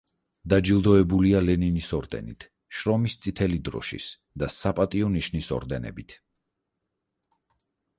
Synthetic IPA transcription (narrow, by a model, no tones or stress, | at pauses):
d̪ad͡ʒilˠd̪ɔɛbulialɛninisɔɾd̪ɛ̰nḭt̪ʰ | ʃɾɔmist̪sʼit̪ʰɛlid̪ɾɔ̰ʃḭs | d̪̥asapʼat̪ʼiɔniʃnisɔ̰ɾd̪ɛnɛ̰bit̪ʰ